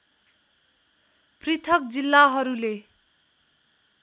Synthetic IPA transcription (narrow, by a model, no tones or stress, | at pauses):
prit̪ʰʌk̚d͡zilːaɦʌɾule